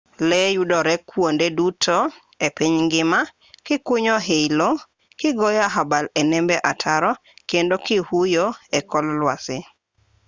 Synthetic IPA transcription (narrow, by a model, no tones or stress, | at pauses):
lɛjudɔɾɛkwondedutʰɔ | epiɲŋɡɪma | kɪkʊɲɔɦelo | kɪɡɔjaɦabalɛnɛmbɛʔatʰaɾɔ | kendokɪhujoekɔllwasɪ